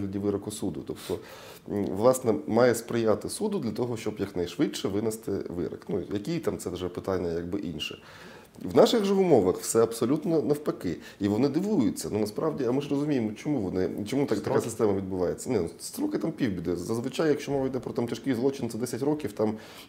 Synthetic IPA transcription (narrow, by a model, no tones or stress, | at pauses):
lʲɐdʲiʋɪɾɐkɔsud̪ʊ̰t̪ɔpt̪ɔ | ʋlˠɑsnɛmɑjɛspɾɪjat̪ɪsud̪ʊd̪lʲɐt̪ɔɦɔʃt͡ʃɔbjɐknɐjʂʋɪʃɛʋɪnɛst̪ɪ̰ʋɪ̰ɾɐ̰knujɐkʲit̪amt̪sɛʋʐɛpɪt̪anʲːɐjaɡbɪ̰ʔinʃɛ̰ | ʋnɑʃɪɣʐɛʊmɔʋɐxfsɛɐpsɔlʲut̪nɔnɐwpɐkɪ | iʋɔnɪd̪ɪʋujʊt͡sʲːɐnunɐspɾɑʋdʲiɐmɪʐrɔzʊmʲijemɔt͡ʃɔmuʋɔnɪt͡ʃɔmut̪ɐt̪ɐkkasɪst̪ɛmɐʋʲid̪̚bʊʋɑjet͡sʲːɐnɛnst̪ɾɔkɪt̪ampʲiwbʲid̪ɪzɐzʋɪt͡ʃajɐkʃʲt͡ʃɔmɔʋɐjd̪ɛpɾɔt̪amt͡ʃʲɐʃkʲijzˠɔt͡ʃɪnt̪ɛd̪ɛsʲɐtʲɾɔkʲiwt̪ɑm